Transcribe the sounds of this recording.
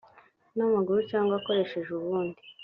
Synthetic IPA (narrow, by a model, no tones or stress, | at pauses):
namaɡuɾucaːŋɡoako̞ɾe̞ʃe̞ʒuβuːndi